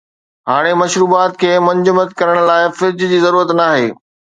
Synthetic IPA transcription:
ɦaːɽ̃emɐʃɾuːbaːt̪̚kʰeːmɐ̃ɲd͡ʑʊmət̪kɐɾəɽ̃laːɪfɪɾd͡ʑd͡ʑiːzɐɾuːɾət̪naːɦeː

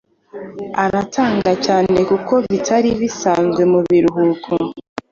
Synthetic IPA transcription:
aɾatʰaːŋɡacaːne̞kuko̞βitʰaɾiβisaːnzɡwe̞muβiɾuɦukʰo

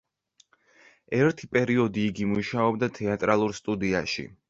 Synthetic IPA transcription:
ɛɾt̪ʰipʼɛɾiɔd̪iːɡimuʃaɔbd̪at̪ʰɛat̪ʼɾalˠuɾst̪ʼud̪iaʃḭ

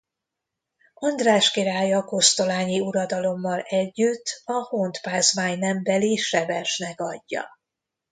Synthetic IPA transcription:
ɒnd̪raːʃkiɾaːjɒkost̪o̞laːɲiuɾɒd̪ɒlo̞mːɒlɛɟːyt̪ʰːɒhont̪paːzmaːɲnɛmbɛliʃɛvɛrʃnɛkɒɟːɒ̰

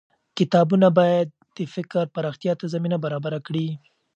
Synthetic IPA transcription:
kɪt̪ɑbunabɑjad̪̚ːəfɪkɾpaɾɑxt̪ijɑt̪azaminabaɾɑbaɾakɽi

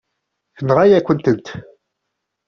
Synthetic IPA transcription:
θənʁajækʷːənt̪ənt̪

